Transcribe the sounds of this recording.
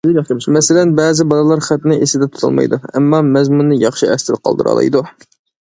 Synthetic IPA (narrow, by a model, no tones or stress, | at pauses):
mɛsɪlɛnbɛːzɪbɑlˠɨlˠɑɾχæt̪nɨʔesɪd̪ɛt̪ʰu̥t̪ʰɑ̰lˠmɑ̰jd̪uɛmːɑmɛzmunːɨjɑχʃiɛst̪ʰɪd̪qʰɑ̰lˠd̪ɨɾɑ̰lˠɨ̰jd̪u